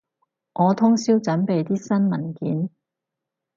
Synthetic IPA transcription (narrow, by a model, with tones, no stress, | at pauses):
ʔɔː˨˧t̪ʰʊ˥ŋsiː˥wt͡sɐ˨˥npe˨jt̪iː˥sɐ˥nmɐ˨˩nkiː˨˥n